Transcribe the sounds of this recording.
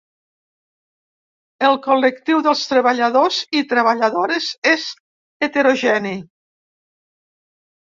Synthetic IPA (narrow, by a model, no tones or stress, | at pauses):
əlˠkolək̚t̪iwðəlˠst̪ɾəβəʎəðozit̪ɾəβəʎəðoɾezez | et̪eɾoʒɛni